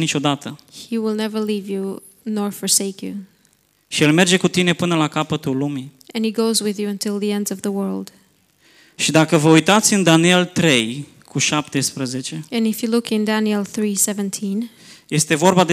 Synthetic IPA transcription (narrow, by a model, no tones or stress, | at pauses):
nit͡ʃo̞d̪at̪əhiwɪlˠnɛvə˞livju | nɔɹfɔɹseɪkjṵ | ʃielme̞rd͡ʒe̞kut̪ine̞pɨnəlakapət̪ulumi | ʔɛ̃niɡoʊzwɪðjuə̃ntʰɪlˠðiɛ̃ndzʌvðəwɜ˞lˠd̥ | ʃid̪akəvəujt̪at̪sʲɨnd̪anielt̪ɾe̞j | kʰuʃap̚t̪e̞spɾəzet͡ʃe̞ɨ̃nɪfjɨlʊkɪ̃ndænilˠθɹisɛvə̃ntʰĩn | jest̪e̞vo̞rbad̪